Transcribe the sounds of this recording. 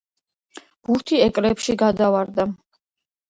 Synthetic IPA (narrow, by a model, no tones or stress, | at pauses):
b̥uɾt̪ʰiɛkʼɾɛpʃiɡad̪avaɾd̪a